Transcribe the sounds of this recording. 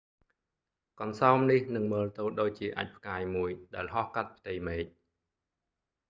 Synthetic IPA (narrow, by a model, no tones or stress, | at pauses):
kɑnsaɔmnihnɨŋməːlt̪ɨːɗoːc̚t͡ɕiəʔa̰ːc̚pʰkaːjmuəjɗaɛlɦɑhkat̪̚pʰt̪ɨjmeːc̚